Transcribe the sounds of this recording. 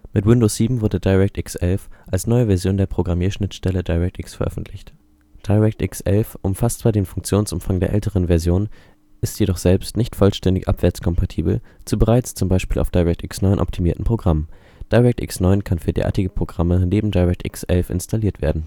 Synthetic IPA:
mɪtwɪndoːsz̥iːbm̩vʊɐdədaɪʁɛk̚tʔɪksʔɛlfʔalsnɔʏəvɛɐzjoːndeːɐpʁ̥oɡʁamiːɐʃnɪtʃtɛlədaɪʁɛk̚tʔɪksfɛɐʔœ̰fn̩tʰlɪçt | d̥aɪʁɛk̚tʔɪksʔɛ̰lfʔʊmfast͡sv̥aːɐdeːnfʊŋk̚t͡sjoːnsʔʊmfaŋdeːɐʔɛ̰ltəʁənvɛɐzjoːn | ʔɪstjedɔχz̥ɛlpstnɪçtfɔlʃtɛndɪçʔa̰pv̥ɛɐt͡skʰɔmpʰatʰiːbl̩t͡subəʁaɪt͡st͡sʊmbaɪʃpiːlʔa̰ʊfd̥aʁɛk̚tʔɪksnɔʏnʔɔ̰ptʰimiːɐtn̩pʁ̥oɡʁam | d̥aɪʁɛk̚tʔɪ̰ksnɔʏnkʰanfyːɐdḛːɐʔa̰ɐtɪɡəpʁ̥oɡʁaməneːbm̩daɪʁɛk̚tʔɪ̰ksʔɛ̰lfɪ̰nstʰaliːɐtv̥ḛːɐdn̩

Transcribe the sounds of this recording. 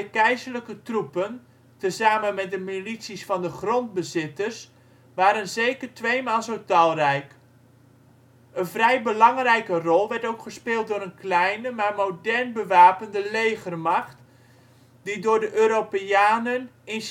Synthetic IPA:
kɛjzərləkətrupən | təzaːmənmɛt̚dəmilisisfɑndəχrond̚bəzɪtərs | ʋaːɾənzejkərtʋejmaːlˠzowtɑlˠrɛjk | ənvrɛjbəlɑŋrɛjkərɔlˠʋɛɹtowkχəspɪːlˠt̚dʊːɾənklɛjnəmaːrmowdɛrnbəʋaːpəndəlejɣərmɑxt | didʊːɹdəʔøːɾopeaːnənɪn

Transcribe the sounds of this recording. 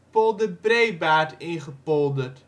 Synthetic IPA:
polˠdəbrejbaːtɪnχəpɔlˠdərt

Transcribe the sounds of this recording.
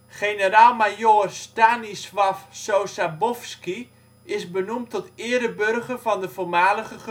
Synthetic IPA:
χejnəɾaːlˠmajoːrstaːnisʋafsowsabɔfski | ɪzbənumtɔtɪəɾəbørχərvɑndəvoːrmaːləχəχ

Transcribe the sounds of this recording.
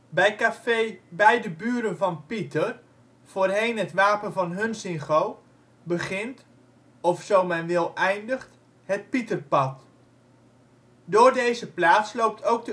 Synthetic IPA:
bɛjkabɛjdəbyːɾənvɑnpitər | v̥oːrɦejnɦətʋaːpənvɑnɦɵnsɪnχow | bəχɪnt | ɔfsowmɛnʋɪlˠʔɛjndəχt | ɦət̚pitərpɑt | dʊːrdejzəplaːslowp̚tʰowk̚də

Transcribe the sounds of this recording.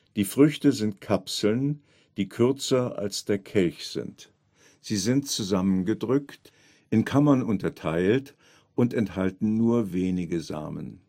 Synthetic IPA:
d̥iːfʁ̥ʏçtəzɪnt̚kʰapsl̩n | d̥iːkʰʏɐt͡sɐʔa̰lsd̥eːɐkʰɛlçz̥ɪ̰nt | z̥iːzɪntt͡suzamənɡədʁʏkt | ʔɪnkʰamɐnʊntɐtʰaɪlt | ʔʊntɛnthaltn̩nuːɐveːnɪɡəza̰ːmə̰n

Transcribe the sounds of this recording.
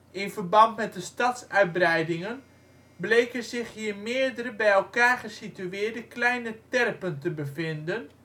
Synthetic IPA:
ɪnvərbɑntmɛt̚dəstɑtsœɥt̚brɛjdɪŋən | blejkəzɪχɦiːɹmɪːədəɾəbɛjɛlˠkaːɹχəsityɪːɹdəklɛjnətɛrpəntəbəfɪndən

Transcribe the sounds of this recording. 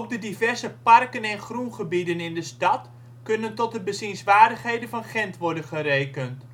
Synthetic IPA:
ɔp̚dədivɛrzəpɑrkənɛnχrunχəbidənɪndəstɑt | kɵnəntɔt̚dəbəzinsʋaːrdəχɦejdənvɑnχɛntʋɔɹdənχərejkənt

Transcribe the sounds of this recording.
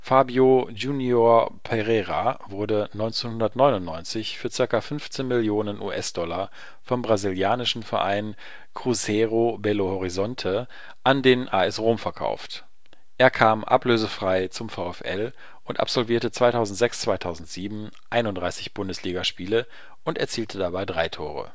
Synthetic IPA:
faːbjod͡ʒuːnjoɐpʰɛʁɛʁavʊɐdənɔʏnt͡senhʊndɐtnɔʏnʊntnɔʏnt͡sɪçfyːɐt͡sɪɐkafʏnft͡seːnmɪljoːnənʔṵːʔɛsd̥ɔla | fɔmbʁaziljaːnɪʃn̩fɛɐʔa̰ɪn | kʁ̥uzɛʁobɛlohɔʁizɔntʰə | ʔandeːnʔaɛsʁoːmfɛɐkʰa̰ʊft | ʔeːɐkʰaːmʔa̰pløːzəfʁ̥aɪt͡sʊmfaʊɛfʔɛ̰l | ʔʊntʔa̰pz̥ɔlviːɐtət͡sv̥aɪtʰaʊzn̩tz̥ɛkst͡sv̥aɪtʰaʊzn̩tz̥iːbm̩ | ʔaɪnʊndʁaɪsɪçb̥ʊndəsliːɡaʃpiːlə | ʔʊntɛɐt͡siːltʰədabaɪdʁaɪtʰoːʁə̰

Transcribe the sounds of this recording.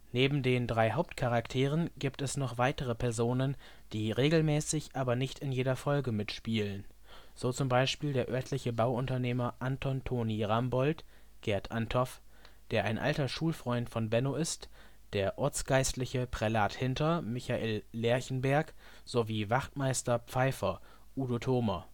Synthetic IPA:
neːbm̩deːndʁaɪɦaʊp̚tkʰaʁaktʰeːʁənɡ̥iːptɛsnɔχv̥aɪtəʁəpʰɛɐzoːnən | d̥iːʁeːɡl̩mɛːsɪçʔaːbɐnɪçtɪnjeːdɐfɔlɡəmɪtʃpiːlən | z̥oːt͡sʊmbaɪʃpiːldeːɐʔœɐtʰlɪçəbaʊʊntɐneːmɐʔantʰɔntʰoːniʁambɔlt | ɡ̥ɛɐtʰʔantʰɔf | d̥eːɐʔa̰ɪnʔa̰ltɐʃuːlfʁ̥ɔʏntfɔnbɛnoːɪst | d̥eːɐʔɔɐt͡sɡ̥aɪstlɪçəpʁ̥ɛlaːthɪntɐmɪçaʔeːlːɛɐçn̩bɛɐk | z̥oviːvaχtmaɪstɐpp͡faɪfɐ | ʔuːdotʰoːmɐ

